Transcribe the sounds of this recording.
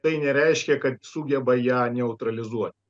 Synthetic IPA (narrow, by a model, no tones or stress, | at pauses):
t̪ɐɪnʲɛɾʲɛɪʃʲkʲɛkɐt̪suːɡʲɛbɐjæːnʲɛʊt̪ɾɐlʲɪzuɔt̪̚ʲ